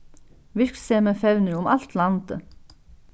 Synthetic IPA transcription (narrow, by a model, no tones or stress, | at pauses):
ʋɪɾkseːməfɛʉnəɾʊmɑ̰lt̪lɑnt̪ə